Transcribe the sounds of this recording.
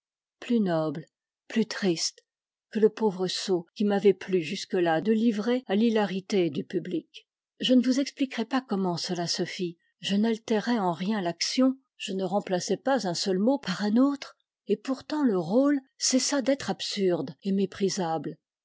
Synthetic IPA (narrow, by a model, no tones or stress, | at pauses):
plynɔbl | plyt̪χist̪ | kələpovʁəsokʲimavɛplyʒyskəlad̪əlivʁealilaʁit̪ed̪ypyblik | ʒənəvuzɛksplikʁɛpakɔmɑ̃səlasəfi | ʒənalt̪ɛʁɛɑ̃ʁjɛ̃laksjɔ̃ | ʒ̥ənəʁɑ̃plasɛpazɛ̃sœlmopaʁɛ̃not̪χ | epuʁt̪ɑ̃ləʁol | sɛsad̪ɛt̪χapsyʁd̪emepχizabl